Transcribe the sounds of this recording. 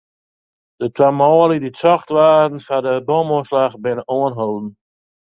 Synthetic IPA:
d̥ətwamɔːlidit͡sɔχtʋaːdn̩fadəbɔmɔslaχbɪnəʔɔənɦowdn̩

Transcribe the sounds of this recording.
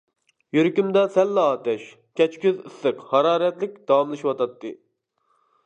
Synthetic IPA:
jyɾkʲymd̪ɛsɛlːɑːt̪ɛʃ | kʲʰɛt͡ʃkʲyzɨsːɨqhɑɾɑːɾɛt̪lɪk̚ʲd̪̥ɑwɑmlˠɨʃiwɑt̪ɑt̪ːɨ

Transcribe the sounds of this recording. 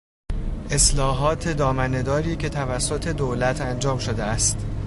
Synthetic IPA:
ʔe̞slɒːɦɒːt̪ʰe̞d̪ɒːmæne̞d̪ɒːɾiːcʰe̞t̪ʰævæsːo̞t̪ʰe̞d̪oːlæt̪ʰænd͡ʒɒːmʃo̞d̪eæst̪

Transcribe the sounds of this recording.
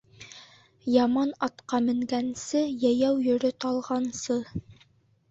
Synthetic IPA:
jɑmɑnɑt̪qɑmɘ̆ŋɡænsɘjæjæwjɵ̆ɾɵt̪ɑlˠʁɑnsɤ

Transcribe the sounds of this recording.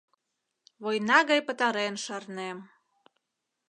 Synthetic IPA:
βojnɑɣɑjpə̆t̪ɑɾenʃɑrnem

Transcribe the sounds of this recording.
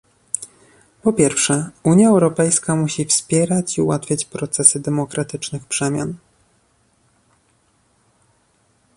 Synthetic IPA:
pɔpʲjɛɾfʂɛuɲjaɛwɾɔpɛjskamuɕifspʲjɛɾat͡ɕiuwat̪fʲjat͡ɕpɾɔt̪sɛsɘd̪ɛmɔkɾat̪ɘt͡ʂnɘxpʂɛmʲja̰n

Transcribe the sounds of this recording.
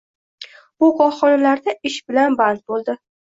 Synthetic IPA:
bʊqʰɒχɒnalaɾd̪aɪʃbɪlanbant̪̚bolˠd̪ɪ

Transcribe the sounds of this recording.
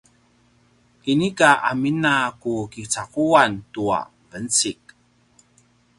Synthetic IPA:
kinikaaminakukit͡sakuantua̰ | vənt͡sik̚

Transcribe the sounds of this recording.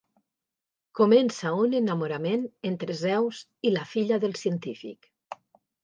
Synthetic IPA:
komensaunenamoɾamenent̪ɾezɛwz | ilafiʎaðəlˠsiənt̪ifḭk

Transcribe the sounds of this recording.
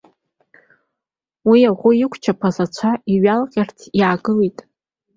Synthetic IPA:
wiaʁʷʊjɪkʷʰt͡ʃʰapʰazat͡ʃʷʰaiɥalqʲʼartʰjaːɡɨlejtʼ

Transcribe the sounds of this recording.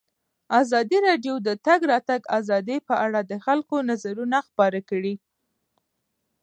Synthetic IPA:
azɑd̪iɾɑɖjod̪ət̪aɡɾɑt̪aɡazɑd̪epəʔaɽad̪əxalkonazaɾunaxpɑɾakəɽi

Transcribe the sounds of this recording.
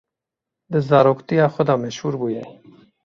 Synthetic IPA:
d̪əzɑɾokt̪ijɑːxʷɔd̪ɑːmɛʃhuːɾbuːjɛ

